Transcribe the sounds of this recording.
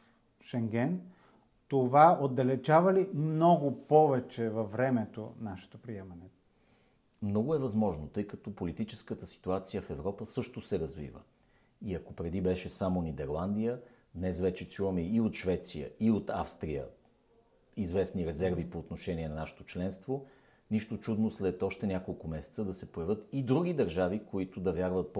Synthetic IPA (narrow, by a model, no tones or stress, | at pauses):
ʃɛŋɡɛn | t̪ovaod̪ːɐlɛt͡ʃavɐlimnɔɡʊpɔvɛt͡ʃɛvɐfvɾɛmɛt̪o̰naʃɛ̥t̪opɾiɛmɐnɛ | mnɔɡʊɛvɐzmɔʒnot̪ɤjkɐt̪ɔpolit̪it͡ʃɛskət̪əsi̥t̪uat̪sijəfɛvɾɔpəsɤʃt̪osɛɾɐzvḭvə̰ | iɐkopɾɛd̪ibɛʃɛsamonid̪ɛɾlˠand̪ijə | d̪nɛsvɛt͡ʃɛt͡ʃuvɐmɛiot̪ʃvɛt̪sijə̰ʔiot̪afst̪ɾijə̰ | izvɛsniɾɛzɛɾvipoːt̪noʃɛniɛnɐnaʃɛ̥t̪ot͡ʃlɛnst̪vo | niʃt̪ot͡ʃud̪noslɛt̪ɔʃt̪ɛnʲjakolˠkʊmɛsɛ̥t̪səd̪ɐsɛpojɐvʲɤt̪id̪ɾuɡ̟id̪ɐɾʒavikoit̪ʊd̪ɐvjaɾvət̪̚p